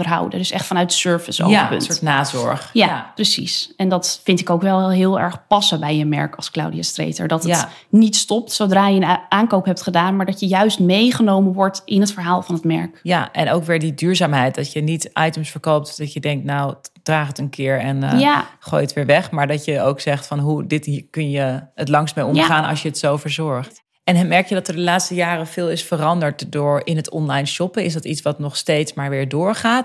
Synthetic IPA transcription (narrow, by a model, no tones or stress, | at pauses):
dəɹɦɑ̰wdə̰døsɛχtfɑnœɥtə̥søɹvəso̰pə̰nːtnaːzɔ̰ɹχjaprəsḭsɛndɑtfɪntɪkowkʋɛlˠɦɪːlˠɛ̰ɹχpɑsəbɛjəmɛ̰ɹkɑlˠskla̰wdiastrḛjtə̰ɹdɑtətnitstɔp̚tsowdraːjəənʔaːnkowpɦɛp̚tχədaːnmaːɹdɑtjəjœɥstmejχənowmənʋɔɹtʔɪnətfəɹɦaːlˠvɑnɦətmɛ̰ɹkjaʔɛnowkʋɪːɹdidyːɹzaːmɦɛjtɑsjənitʔajtʉmsfəɹkowp̚tdɑtjədɛŋk̚tnawd̥raːχətənkʰɪːɹɛnχo̰ːjətʋɪːɹʋɛχmaːɹdɑtjəowksɛχtfɑnɦudɪtkɵnjəətlɑŋsmejɔmχaːnɑ̰ʃjəətsowvəɹzɔɹχt | ɛnɦəmɛɹkjədɑtəɹdəlaːtstəjaːɾəv̥ɪːlˠɪsfərɑndəɹtdʊːɹɪnɦətɔnlajnʃɔpəɪsdɑtitsʋɑtnɔχstejtsmaːɹʋɪːɹdʊːɹχaːt